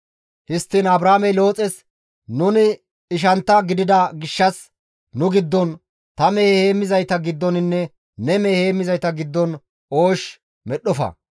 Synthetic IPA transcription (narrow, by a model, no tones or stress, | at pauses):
hɪst̪ːinɐbɾaːmɛjlo̞ːt͡sʼɛs | nʊnɪː | ʃ̬ɐnt̪ːɐɡɪd̪ɪd̪ɐɡɪʃːɐs | nʊɡɪd̪ːɔn | t̪ɐmeːhheːmːɪzɐjt̪ɐɡɪd̪ːɔnɪnːɛ | nɛmeːheːmːɪzɐjt̪ɐɡɪd̪ːɔn | o̞ːʃ | mɛɗɔfɐ̰